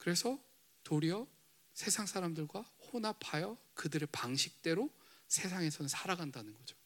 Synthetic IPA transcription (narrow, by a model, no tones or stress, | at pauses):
kɯɾe̞sʰʌ | toɾiʌ | sʰe̞sʰaŋs͈ʰaɾamdɯɭɡwahonapʰajʌ | kɯdɯɾɯɭpaŋɕʰik̚t͈e̞ɾosʰe̞s̬ʰaŋe̞sʰʌnɯnsʰaɾaɡandanɯnɡʌd͡ʑo